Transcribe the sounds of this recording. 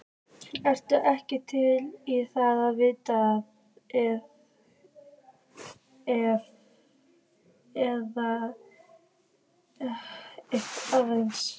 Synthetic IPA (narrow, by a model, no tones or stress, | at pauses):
ɛr̥t̪ʏʔɛhcɪt̪ʰɪliθaðaðvɪːt̪að | ɛð | ɛv | ɛða | ehkavens